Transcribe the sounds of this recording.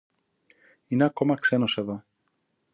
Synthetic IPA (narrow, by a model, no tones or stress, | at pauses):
ineɐkomɐksenoseðo